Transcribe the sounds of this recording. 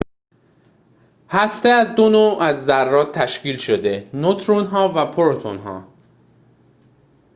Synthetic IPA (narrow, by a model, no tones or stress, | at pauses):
hæst̪eæzd̪onoːʔæzːærːɒːt̪ʰːæʃciːlʃod̪e̞not̪ʰɾonɦɒːvæpʰoɾot̪ʰo̰nɦɒ̰ː